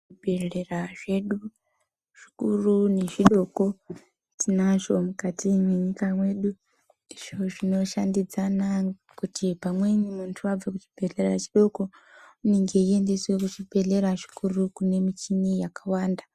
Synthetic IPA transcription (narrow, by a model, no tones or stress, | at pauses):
ibʱeɮeraʐe̞ɗu | ʐ̥i̥kurune̞ʐiɗo̞ko̞ | tinaʐo̞mukatʰimweɲikamwe̞ːɗu | iʐo̞ʐino̞ʃandid͡zana | kutʰipamwe̞nimuntʰuab͡vakut͡ʃi̥b̥ʱe̞ɮerat͡ʃiɗo̞ko̞uneŋɡe̞ie̞nde̞swe̞kut͡ʃibʱe̞ɮe̞ɾaʐi̥kurukune̞mit͡ʃinijakawaːnda